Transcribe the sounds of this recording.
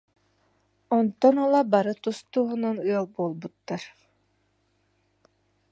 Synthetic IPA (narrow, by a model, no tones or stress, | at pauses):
ɔnt̪ɔnɔlˠabaɾɯt̪ust̪uːɦununɯɔlˠbuːlˠbut̪ːaɾ